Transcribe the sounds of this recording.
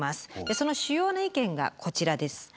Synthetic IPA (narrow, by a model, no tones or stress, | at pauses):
masɨ̥d̪̥eso̞no̞ɕɨjo̞ːnaikẽ̞ŋɡa̰kʰo̞t͡ɕiɾad̪e̞sɨ̥